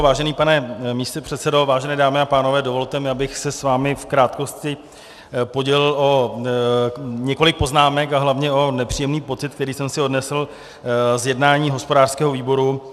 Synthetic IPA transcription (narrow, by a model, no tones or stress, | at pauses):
vaːʒɛniːpanɛmiːst̪opr̝̥ɛt̪sɛdo̞vaːʒɛnɛːdaːmɪapaːnovɛːdo̞vo̞lt̪ɛmɪabɪxsɛsvaːmɪfkɾaːt̪ko̞scɪ | po̞ɟɛlɪlʔo̞ | ɲɛko̞lɪk̚po̞znaːmɛkaɦlavɲɛo̞nɛpr̥ijɛmniːpo̞t͡sɪt̪kt̪ɛɾiːsɛmsɪo̞dnɛsl̩ | zjɛdnaːɲiːɦo̞spo̞daːr̥skɛːɦo̞viːbo̞ɾu